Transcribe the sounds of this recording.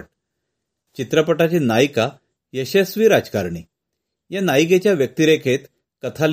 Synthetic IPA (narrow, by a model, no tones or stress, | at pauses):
t͡ɕit̪ɾəpəʈat͡ɕinajka | jəɕesʋiːɾad͡zkaɾɳi | janajket͡ɕjaʋjək̚t̪iɾekʰet̪ | kət̪ʰal